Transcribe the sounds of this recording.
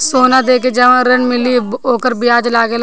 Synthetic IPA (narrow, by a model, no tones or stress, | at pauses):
soːnad̪eːk̬ed͡ʒaʋãɾənmɪlioːkəɾbɪaːd͡ʒlaːɡel